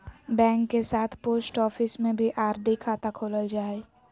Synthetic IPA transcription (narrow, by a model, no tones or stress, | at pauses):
bɛ̃ːŋkːesaːt̪ʰpoːsʈɔːfɪsmẽbʱiʔaːɾɖikʰaːt̪akʰoːləld͡ʒaːe